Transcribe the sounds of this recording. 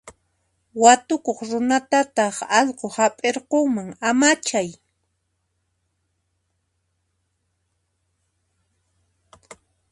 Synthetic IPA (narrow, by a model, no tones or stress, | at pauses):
wat̪ʊkoχɾʊnat̪at̪ɑχɑʎqohapʼeɾqoŋmaŋamat͡ʃaj